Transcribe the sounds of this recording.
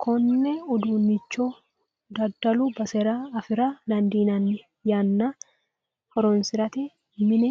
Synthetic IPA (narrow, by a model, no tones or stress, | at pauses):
kʰɔnːɛʊd̪uːnːɪt͡ʃːoː | d̪ɐd̪ːɐlubɐsɛɾaːfɪɾalɐnd̪iːnɐnːɪ | janːa | fɔɾɔnsɪɾɐt̪ɛ | mɪnɛ